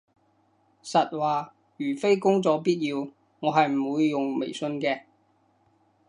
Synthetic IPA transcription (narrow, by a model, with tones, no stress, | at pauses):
sɐ˨t̚waː˨ | jyː˨˩fe˥jkʊ˥ŋt͡sɔː˨˧piː˥t̚jiː˧w | ŋɔː˨˧ɦɐ˨jm̩˨˩wuː˨˧jːʊ˨ŋmḛ˨˩jsɵ˧nkɛː˧